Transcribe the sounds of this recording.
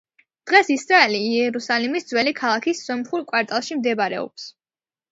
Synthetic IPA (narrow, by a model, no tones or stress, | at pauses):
d̪̥ʁɛsisɾaɛliːɛɾusalimisd̪zwɛlikʰalˠakʰisːɔmχuɾkʼwaɾt̪ʼalˠʃimd̪ɛbaɾɛ̰ɔ̰ps